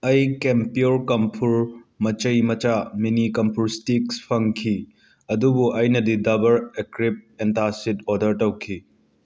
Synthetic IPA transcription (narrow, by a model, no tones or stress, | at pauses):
ɐjkempioɾkɐmpʰuɾmɐt͡ʃɐjmɐt͡ʃaminikɐmpʰuɾstikspʰɐŋkʰi | ɐdubuʔɐjnɐdidɐbɐɾekɾip̚entasidodɐɾtɐwkʰi